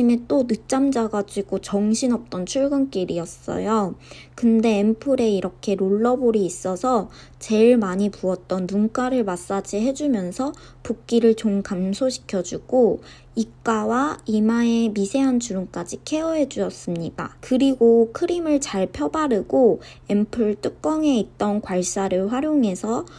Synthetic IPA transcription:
imet͈onɯt͡ɕ͈amd͡ʑaɡad͡ʑiɡot͡ɕʌŋɕʰinʌp̚t͈ʌnt͡ɕʰuɭɡɯnk͈iɾiʌs͈ʌ̰jo | kɯnde̞ːmpʰɯɾe̞iɾʌkʰe̞ɾoɭːʌboɾiːs͈ʌsʰʌ | t͡ɕe̞ɭmaɲipuʌt̚t͈ʌnːunk͈aɾɯɭmas͈ad͡ʑiɦe̞d͡ʑumjʌnsʰʌ | puk̚k͈iɾɯɭt͡ɕomkamsʰoɕʰi̥kʰjʌd͡ʑuɡ̥o | ik͈awaimaemisʰe̞ɦant͡ɕuɾumk͈ad͡ʑikʰe̞ʌɦe̞d͡ʑuɕʌs͈ɯmɲid̥a̰kɯɾiɡokʰɯɾimɯɭt͡ɕaɭpʰjʌbaɾɯɡo | empʰɯɭt͈ɯk̚k͈ʌŋe̞it̚t͈ʌnkwaɭs͈aɾɯɭɸwaɾjoŋe̞sʰʌ

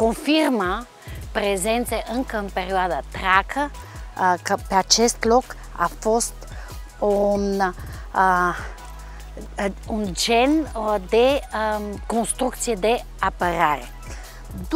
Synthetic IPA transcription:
koɱfiɾma | pɾezɛnseʔəŋkəmpeɾiaðat̪ɾakʰə | kəpeat͡ʃɛst̪lɔk | a̰fɔst̪ | un | und͡ʒɛnd̪e | konst̪ɾukt̪sjed̪e | apəɾaɾe | d̪

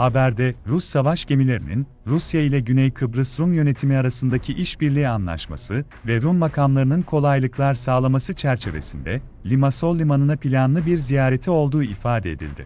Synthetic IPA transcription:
habæɾd̪ɛɾusːavaʃɟe̞milʲe̞ɾḭnḭn | ɾusjailʲɛɟynɛjkʰɯbɾɯsɾumjø̞ne̞t̪ʰimiaɾasɯnd̪acʰiʔiʃbiɾlʲiːanlˠa̰ʃma̰sɯ | vɛɾumːakʰamlˠaɾɯnɯnkʰo̞lˠajlˠɯklˠaɾsaːlˠamasɯt͡ʃʰæɾt͡ʃʰe̞ve̞̰sḭnd̪ɛ | lʲimaso̞lʲːimanɯnapʰilʲanlˠɯbiɾzijaːɾe̞t̪ʰio̞lˠd̪uːifaːd̪ɛed̪ḭlʲd̪ɪ̰

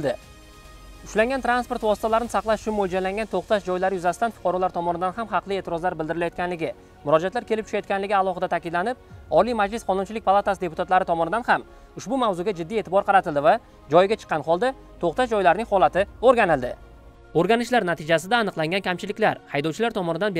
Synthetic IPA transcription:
ld̪ɪ | ʊʃlaŋɡʲant̪ʰɾanspo̞ɾt̪vɒsɪ̥t̪ʰalaɾɪnɪsɑqlˠaʃʊ̥t͡ʃʰʊnmolʲd͡ʒalaŋʲɡʲant̪ʰoχt̪aʃd͡ʒɒjlaɾɪjʊzasɪ̥t̪anfʊ̥qʰɒɾɒlˠaɾt̪ʰɒmɒnɪd̪anɦamɦɑqlˠɪe̞ːt̪ʰɪɾɒzlaɾbɪld̪ɪɾɪlajɒt̪kʲʰanlɪɡʲɪ | mʊɾɒd͡ʒat̪laɾkʲʰe̞lɪpt͡ʃ̪ʰʊ̥ʃajɒt̪kʲʰanlɪɡʲɪalˠɒχɨd̪at̪ʰakʲɪd̪lanɪp̚ɒlijmad͡ʒlɪsqʰɒnʊnt͡ʃʰɪlɪk̚ʲpalˠat̪asɪd̪e̞pʊt̪ʰat̪laɾɪt̪ʰɒmɒnɪd̪anham | ʊʃbʊmavzʊɡʲad͡ʒɪd̪ːije̞t̪ʰɪbɒɾqʰɑɾat̪ʰɪld̪ɪva | d͡ʒɒjɪɡʲat͡ʃʰɨ̥qːɑnχɒlˠd̪a | t̪ʰoqt̪aʃd͡ʒɒjlaɾnɪŋhɒlˠat̪ʰɪoɾɡʲanɪlˠd̪ɪ | oɾɡʲanɪʃlaɾnat̪ʰɪd͡ʒas̬ɪd̪aːnɨqlˠaŋɡʲankʲʰamt͡ʃʰɪlɪkʲlaɾhajd̪ɒwt͡ʃʰɪlaɾt̪ʰɒmɒnɪd̪an

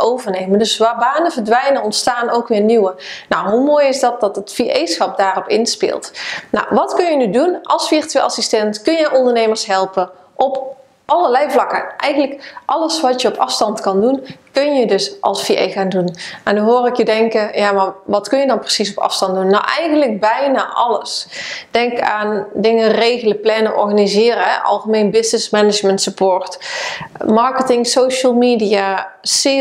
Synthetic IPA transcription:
owvəɹnejməndɵsʋaːbaːnəvəɹdʋɛjnənɔntstaːnowkʋɪːɹniwənawɦumoːjɪzdɑt̚dɑtətfiʔejsxɑp̚daːrɔpɪnspɪ̰ːlˠtna̰wʋɑtkɵnjənydunʔɑlˠsfirtːʔɑsistɛntkɵnjəʔɔndəɹnejməɹsɦɛlˠpə | ʔɔp | ʔɑləɹlɛjvlɑkəʔɛ̰jɣənləkʔɑləsʋɑtjəɔpʰɑfstɑntkɑndunkɵnjədɵsʔɑ̰lˠsfiʔḛjxaːndunɛndɔnɦoːrɪkjədɛŋkəjaːmaʋɑtkɵnjədɑnprəsisɔpɑ̰fstɑntdunːawʔɛjɣənlək̚bɛjnaːʔɑ̰ləsd̥ɛŋka̰ːndɪŋərejɣələplɛnəʔɔ̰ɹɣanizɪːɾəɦɛ̰ʔɑ̰lˠχəmejnbɪsnɪsmɛnɪd͡ʒməntsəpoːrt | mɑɹkətɪŋsowʃəlˠmiːdiasɪ

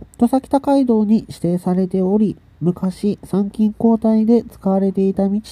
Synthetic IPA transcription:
t̪o̞sakʲi̥t̪akaid̪o̞ːɲ̟iɕi̥t̪e̞ːsaɾe̞t̪e̞o̞ɾʲi | mɯ̟kaɕisãŋkʲĩŋko̞ːt̪aid̪e̞t͡sɨ̥kaβaɾe̞t̪e̞it̪amʲit͡ɕi̥

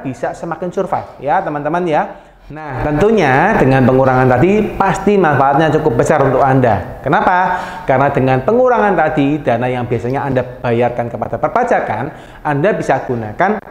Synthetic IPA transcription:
b̥isasəmakɪnsurfa̰jat̪əmant̪əmanja | naht̪ənt̪uɲad̥əŋanpəŋuɾaŋant̪adipast̪imanfaʔat̪̚ɲat͡ʃukʊp̚bət͡ʃaɾunt̪ʊkanda̰kənapakarənadəŋanpəŋuɾaŋant̪adid̥anajaŋbiasaɲaandab̥ajarkankəpad̥apərbad͡ʒakan | andabisaɡ̥unakan

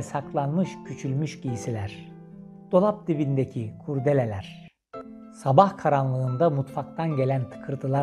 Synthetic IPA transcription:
saklˠanmɯʃcʰyt͡ʃʰylʲmyʃɟijisilʲæɾ̥ | d̪̥o̞lˠap̚d̪ibind̪ecʰikʰuɾd̪e̞lʲelʲæɾ̥ | sabahkʰaɾanlˠɯːnd̪amut̪fakt̪ʰanɟe̞lʲænt̪ʰɯ̥kʰɯɾt̪ʰɯlˠa

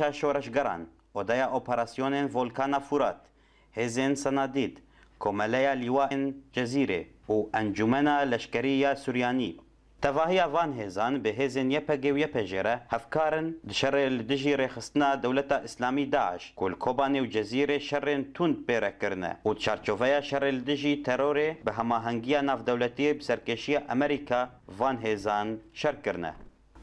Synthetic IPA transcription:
ɑːʃoːɾɛʃɡɛɾɑ̰ːn | ʔoːd̪ɛjɑːʔoːpɛɾaːsijoːneːnvoːlkʰɑːnɑːfuɾɑːt̪ | heːzeːnsɛnɑːd̪iːt̪ | kʰoːmɛlɛjɑːliːwɑːend͡ʒɛziːɾḛuːʔɛnd͡ʒumɛnɑːlɛʃkɛɾijɑːsuɾjɑːnḭː | t̪ʰɛvɑːhijɑːvɑːnɦeːzɑːnbɨɦeːzeːnjɛpɛɡeːwjɛpʰɛʒḛːɾɛhɛvkɑːɾɨnd̪ɨʃɛrelɨd̪ɨʒiːɾeːxɨst̪ɨnɑːd̪ɛwlɛt̪ɑːʔɨslɑːmiːd̪ɑːʕɪ̰ʃkulɨkʰoːbɑːneːwd͡ʒɛziːɾeːʃɛreːnt̪ʰund̪̚peːɾɛkɨɾɨnɛ̰ʔud̪t͡ʃʰɑːɾt͡ʃoːvɛjɑːʃɛreːlɨd̪ɨʒiːt̪ʰɛɾoːɾeːbɨɦɛmɑːɦɛŋɡijɑːnɑːvd̪ɛwlɛt̪iebɨsɛɾkeːʃijɑːʔɛmɛɾikʰɑːvɑːnɦeːzɑːnʃɛrkɨɾnɛ̰

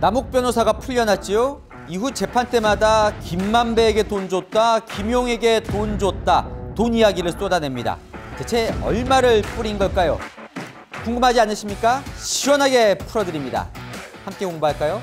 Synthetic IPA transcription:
namuk̚p͈jʌnosʰaɡapʰuʎːʌnɦat̚t͡ɕ͈ijo | iɦut͡ɕe̞pʰant͈e̞madakimːambe̞ːɡe̞tond͡ʑot̚t͈akimjoŋe̞ɡe̞tond͡ʑot̚t͈atonijaɡiɾɯɭs͈odane̞mɲida̰tet͡ɕʰe̞ʌ̰ɭmaɾɯɭp͈uɾinɡʌɭk͈ajo̰ | kuŋɡɯmɦad͡ʑianɯɕʰimɲik͈aɕʰiwʌnɦaɡe̞pʰuɾʌdɯɾimɲida̰hamk͈e̞koŋbaɦaɭk͈ajo

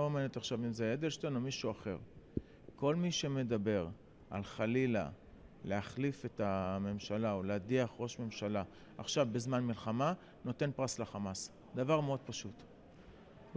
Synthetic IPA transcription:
omenet̪aχʃavimzejed̪elʃtenomiʃuaχe̞̰ʁ | ko̞lmiʃe̞me̞dabe̞ʁ | a̰lχalila̰ | le̞aχlife̞tame̞mʃalaoleadiaχʁo̞ʃme̞mʃala | a̰χʃavbezmanmilχama | no̞t̪e̞npʁaslaχamas | d̪avaʁmeo̞d̪̚paʃut

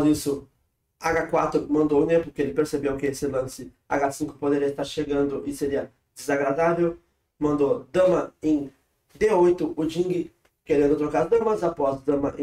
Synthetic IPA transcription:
isʊ | aɡakwat̪ɾʊmɐ̃nd̪oʊ̃nepʊɾkeelɪpeɾsebewkɪesɪlɐ̃sɪ | a̰ɡasĩŋkʊpod̪eɾiɐɪst̪aɾʃeɡɐ̃nd̪ʊʔɪseɾiɐ | d͡ʒ̪ɪzaɡɾad̪avew | mɐ̃nd̪od̪ɐ̃mɐẽj̃ | d̪eojt̪ʊʊd͡ʒĩŋɡɪ | keɾẽd̪ʊt̪ɾokaɾɐzd̪ɐ̃mɐzapɔzd̪ɐ̃mɐʔẽ

